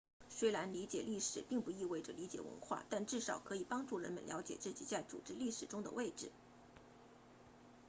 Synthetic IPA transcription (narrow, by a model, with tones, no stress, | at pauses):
swe˥ɪla˧˥nli˧˥t͡ɕjɛ˨˩li˥˩ʂɻ̩˨˩pi˥˧ŋpu˥˩i˥˧we˥˩ɪʈ͡ʂə˩li˧˥t͡ɕjɛ̰˨˩wə̰˧˥nxwa̰˥˩t̪a˥˧nʈ͡ʂɻ̩˥˩ʂɑ˨˩ʊkʰɤ˧˥i˨˩pɑ˥ŋʈ͡ʂu˥˩ɻə̰˧˥nmə̰˧nljɑ˧˥ʊt͡ɕjɛ̰˨˩t͡sɹ̩˥˩t͡ɕḭ˨˩t͡sa˥˩ɪt͡sṵ˨˩ʈ͡ʂɻ̩˥li˥˩ʂɻ̩˨˩ʈ͡ʂʊ˥ŋd̪ə̰˨we˥˧ɪʈ͡ʂɻ̩˨˩